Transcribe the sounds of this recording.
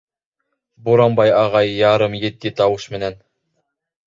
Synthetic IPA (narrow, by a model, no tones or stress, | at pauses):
buɾɑmbɑjɑʁɑjːɑɾɤmjɘ̆t̪ːɘt̪ɑwɤʃmɘ̆næn